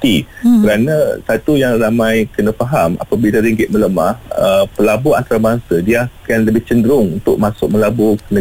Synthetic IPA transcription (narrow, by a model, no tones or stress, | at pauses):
t̪ikəɾanasat̪ujaŋramãjkənə̃faɦama̰pabilaɾiŋɡɪt̪̚mə̃ləmahəpəlabua̰nt̪aɾabaŋsədiakanləbɪht͡ʃəndəɾʊŋunt̪ʊʔ̚mãsʊk̚məlabokənə̃